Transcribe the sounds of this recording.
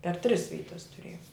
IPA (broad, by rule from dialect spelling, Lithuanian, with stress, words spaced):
pʲɛr tʲrʲɪs ˈʋʲiːtɐs tʊˈrʲeːjoːm